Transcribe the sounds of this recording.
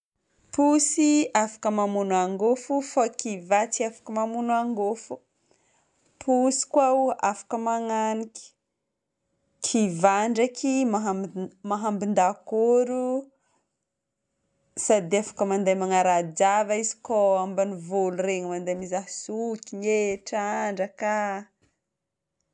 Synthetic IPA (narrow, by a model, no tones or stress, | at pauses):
pusiafḁkəmamunaŋɡofufakivat͡siafḁkəmamunuaŋɡofu̥ | pʰusi̥kwaafḁkəmaŋanikʲi̥ | kʰivaɳɖ͡ʐakimaɦamaɦambind̪akoɾu | sad̪eafḁkəmand̪ajmaŋaɾad͡ʒavaizi̥koambanivolureŋmand̪ajmizaɦsukʲiɲeʈ͡ʂaɳɖ͡ʐəka